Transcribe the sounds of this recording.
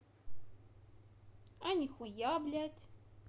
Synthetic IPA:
ænixujablætʰ

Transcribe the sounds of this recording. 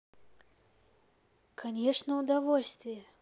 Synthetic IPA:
kʰanʲɛʂnɐwd̪avɔlʲsʲt̪vʲɪjɛ

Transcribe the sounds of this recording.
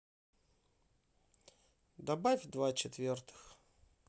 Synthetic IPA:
d̪ɐbafʲd̪vat͡ɕɪt̪vʲert̪ɨ̥x

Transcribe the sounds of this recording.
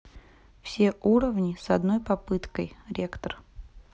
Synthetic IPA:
fsʲe̞ʔuɾəvnʲɪsɐd̪no̞jpɐpɨt̪kəjɾʲekt̪ər

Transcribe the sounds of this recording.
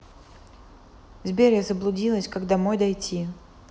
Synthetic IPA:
zʲbʲeɾʲjəzəblˠʊdʲilˠəsʲkaɡd̪amojd̪ɐjtʲi

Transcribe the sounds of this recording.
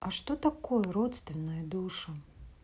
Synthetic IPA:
ɐʂt̪ɔt̪akɔjɐɾɔt̪st̪vʲɪnːɐjɐd̪uʂɐ

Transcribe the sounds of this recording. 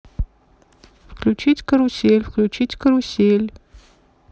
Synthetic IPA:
fklʲut͡ʃitʲkɐɾusʲelʲfklʲut͡ʃʰitʲkʰɐɾusʲelʲ

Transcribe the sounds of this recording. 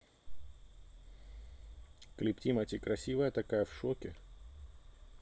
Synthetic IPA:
klʲɪptʲimɐtʲikɾɐsʲivəjət̪ɐkajəfʂokʲɪ

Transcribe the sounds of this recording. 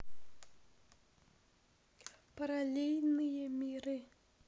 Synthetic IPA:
pəɾalʲelʲnɨjəmʲiɾɨ

